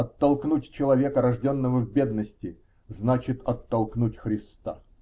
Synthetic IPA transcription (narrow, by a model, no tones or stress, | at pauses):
ɐt̪ːɐlˠknutʲt͡ɕɪlˠɐvʲe̞kəɾɐʐdʲonːəvəvʲbʲe̞d̪nəsʲtʲɪ | znat͡ɕɪt̪ɐt̪ːɐlˠknutʲxɾʲɪst̪a̰